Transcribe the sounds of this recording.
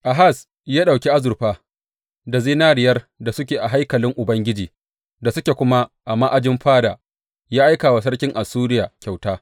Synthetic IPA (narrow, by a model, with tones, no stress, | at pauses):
ʔa˨ɦa˦˨s | jaː˦ɗa˨kʲi˦ʔa˦zʊ˨ɸaː˦ | da˨ziː˦naː˦ɾɪ˨jɐ˦r | da˨sʊ˦kʲeː˨ʔa˨ɦa˦jkɐ˨lɪ˦ŋʔʊ˨bɐ˦ŋɡʲɪ˦d͡ʒiː˨ | da˨sʊ˦kʲe˨kʷʊ˦ma˦ʔa˨mːaː˦ʔa˨d͡ʒɪ˦mɸaː˦daː˨ | jaː˦ʔa˦jkaː˨wa˨s̬ɐ˦rkʲɪ˦ŋʔa˨suː˦ɾɪ˦jaː˨kʲa˨wtaː˦